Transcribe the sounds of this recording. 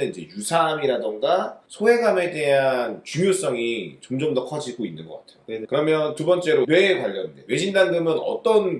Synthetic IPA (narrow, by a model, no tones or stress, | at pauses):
eid͡ʑe̞jusʰamiɾadoŋɡasʰoɦe̞ɡame̞de̞ɦant͡ɕumjos͈ʌŋit͡ɕomd͡ʑʌmdʌkʰʌd͡ʑiɡoinːɯnɡʌk͈atʰe̞jokɯɾʌmjʌntubʌnt͡ɕ͈e̞ɾowe̞kwaʎːʌninde̞we̞ɕʰindanɡɯmɯnʌ̰t͈ʌn